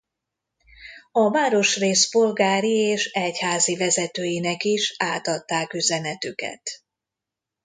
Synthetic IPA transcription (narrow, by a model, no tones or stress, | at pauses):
ɒmaːɾo̞ʃreːspolɡaːɾieːʃɛchaːzivɛzɛt̪øːjinɛkiʃaːt̪ɒt̪ːaːkyzɛnɛt̪ykɛ̰t̪